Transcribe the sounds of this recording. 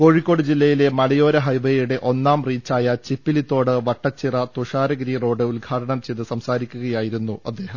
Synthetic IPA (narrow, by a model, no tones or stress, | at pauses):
ko̞ːɻikʲːo̞ːɽɨd͡ʑilːɐjile̞mɐlɐjo̞ːɾɐɦɐjʋeːɾuɽe̞ʔo̞nːaːmriːt͡ɕːaːjɐt͡ɕipːilit̪ːo̞ːɽɨʋɐʈːɐt͡ɕːirɐt̪uʂaːɾɐɡɾiːro̞ːɽɨulɡʱaːʈɐɳɐmt͡ɕejðɨsɐmsaːɾikʲːuɣɐjaːjiɾunːuɐd̪ːe̞ːɦɐm